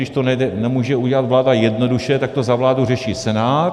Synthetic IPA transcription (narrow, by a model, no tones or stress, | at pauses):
ɪʃt̪onɛɛnɛmuːʒɛuɟɛlat̪vlaːdajɛdno̞duʃɛt̪ak̚t̪o̞zavlaːdurɛʃiːt͡sɛnaː